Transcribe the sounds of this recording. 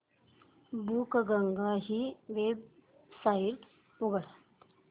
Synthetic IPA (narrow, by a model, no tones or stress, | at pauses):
buːkɡəŋɡaɦiːʋeb | saiʈ | uɡɽat̪